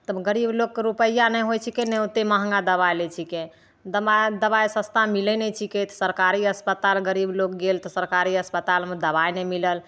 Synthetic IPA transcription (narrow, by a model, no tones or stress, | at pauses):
t̪əɡəɾiblokːɾupəjanɛjɦojt͡ʃʰikeneut̪eməɦə̃ŋɡad̪əβajlet͡ʃʰikẽ | d̪əad̪əbajsə̃st̪ʰamilɛnet͡ʃʰikɛt̪səɾkaɾiəspət̪alɡəɾiblokɡelt̪ɔsəɾkaɾiəspət̪almed̪əbajnemiləl